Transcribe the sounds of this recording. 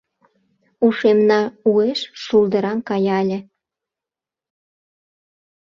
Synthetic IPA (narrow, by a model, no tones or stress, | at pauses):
uʃemnɑueʃʃuld̪ə̆ɾɑnkɑjɑlʲĕ